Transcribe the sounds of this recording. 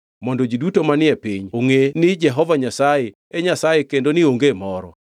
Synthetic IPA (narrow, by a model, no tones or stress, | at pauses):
mɔndɔd͡ʒidutomanɪɛpiɲoŋenɪd͡ʒɛɦɔvaɲasaje | ɛɲasajekendonɪoŋɡemɔɾɔ̰